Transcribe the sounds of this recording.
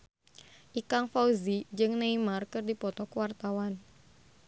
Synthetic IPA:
ʔikaŋfauzid͡ʒɨŋnaimarkɨrdipɔt̪ɔkəwart̪awan

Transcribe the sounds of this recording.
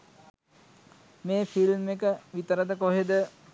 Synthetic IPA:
meːfilmekəʋit̪əɾəd̪əkoɦed̪ə

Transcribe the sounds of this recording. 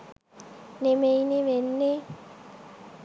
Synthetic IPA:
nemeinemenːe

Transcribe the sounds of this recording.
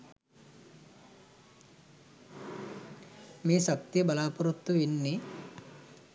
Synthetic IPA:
meːʃɐk̚t̪ijəbɐlaːpuɾut̪ːuʋinːi

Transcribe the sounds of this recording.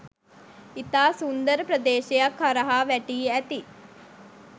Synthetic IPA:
it̪aːsund̪əɾəpɾəd̪eːʃejakhaɾəɦaːʋæʈiːæt̪i

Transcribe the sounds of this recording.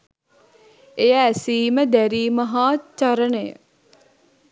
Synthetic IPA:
ejəːsiːməd̪æɾiːmɐɦaːt͡ʃɐɾənəjə̰

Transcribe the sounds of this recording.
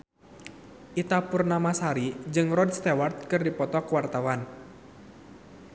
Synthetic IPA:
ʔit̪apurnamasaɾid͡ʒɨŋrɔdst̪ɛwart̪̚kɨrdipɔt̪ɔkwart̪awan

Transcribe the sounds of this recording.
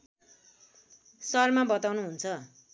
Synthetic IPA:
sʌrmabʌt̪awnuɦunt͡sʰʌ

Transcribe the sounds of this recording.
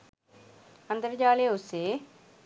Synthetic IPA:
ɐnd̪əɾd͡ʒaːleʊseː

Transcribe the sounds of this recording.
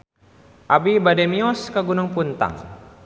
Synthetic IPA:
ʔabibadɛmiɔskaɡunuŋpunt̪a̰ŋ

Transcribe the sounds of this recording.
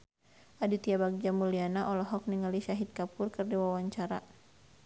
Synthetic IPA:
ʔadut̪iabaɡ̚d͡ʒamulianaʔɔlɔɦɔk̚niŋaliʃaɦit̪̚kapʊrkɨrdiwawaɲt͡ʃaɾa̰

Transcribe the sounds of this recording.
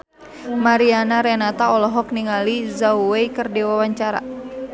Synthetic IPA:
maɾianaɾɛnat̪aɔlɔɦɔk̚niŋalizawweikɨrdiwawaɲt͡ʃaɾa̰

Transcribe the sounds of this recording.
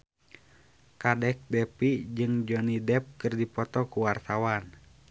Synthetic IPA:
kadɛk̚dɛpid͡ʒɨŋd͡ʒɔnidɛp̚kɨrdipɔt̪ɔkuwart̪awan

